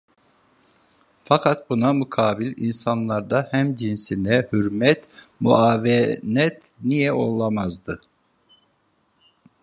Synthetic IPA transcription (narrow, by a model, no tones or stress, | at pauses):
fakʰat̪̚bunamukʰaːbilʲḭnsanlˠaɾd̪ahæmd͡ʒinsinɛhyɾmɛt̪mṵʔaːvɛnɛt̪ | nijɛo̞̰lˠamazd̪ɯ